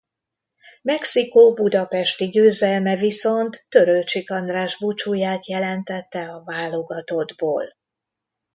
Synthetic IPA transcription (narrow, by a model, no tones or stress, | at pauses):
mɛksikoːbud̪ɒpɛʃt̪iɟøːzɛlmɛviso̞nt̪ːø̞ɾølt͡ʃikɒnd̪raːʒbut͡ʃuːjaːt̪jɛlɛnt̪ɛt̪ːɛɒvaːloɡɒt̪o̞d̪bo̰ːl